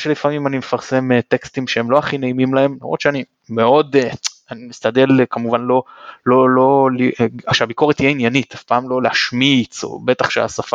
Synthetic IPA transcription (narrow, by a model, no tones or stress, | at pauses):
ʃelifamimanimefaʁse̞met̪e̞kst̪imʃeemlo̞aχine̞imimlae̞mla̰mʁod̪ʃeani | me̞o̞d̪eanimist̪ade̞lkamuvanlo̞lolo̞liaʃeabiko̞ʁethijeinjanit̪afpaːmlo̞leaʃmit͡so̞̰be̞taχʃea̰safa